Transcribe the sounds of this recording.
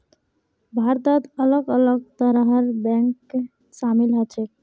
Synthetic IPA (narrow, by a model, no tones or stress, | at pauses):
bʱaɾd̪əd̪ələɡələɡ̚t̪əɾɦəɾbɛ̃ŋkː | samilɦət͡ʃʰek